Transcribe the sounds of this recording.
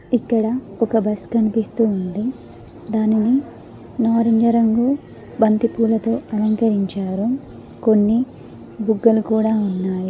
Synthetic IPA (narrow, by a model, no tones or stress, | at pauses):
ikːɐɽɐɔkɐbɐskɐnipist̪uːnd̪i | d̪aːnini | naːɾɐɲd͡ʒɐɾɐŋɡu | bɐnt̪ipuːlɐt̪o̞ːʔɐlɐŋkɐɾiɲt͡ʃaːɾu | ko̞nːi | buɡːɐlukuːɽaːunːaːji